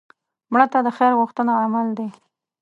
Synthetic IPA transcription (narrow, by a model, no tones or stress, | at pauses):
mɽət̪ad̪əxeɾɣʊxt̪ənaamald̪e